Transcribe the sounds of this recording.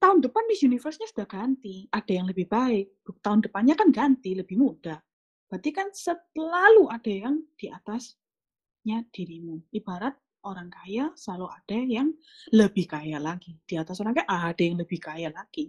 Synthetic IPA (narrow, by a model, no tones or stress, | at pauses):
t̪aʊndəpanbisunifərsɲasu̥d̥ahɡ̥ant̪iʔad̥ajaŋləbɪhb̥aɪk̚b̥ʊk̚t̪aʊndəpanɲakanɡant̪iləb̥ɪhmud̥ah | b̥at̪ikansəlaluʔad̥ajaŋd̥iʔat̪as | ɲad̥iɾimʊnib̥aɾat̪̚ | ʔoɾaŋkajaslaluad̥ajaŋləb̥ɪhkajaʔlaɡ̥id̥iat̪asoɾaŋkaʔad̥ajaŋləb̥ɪhkajaʔlaɡ̥i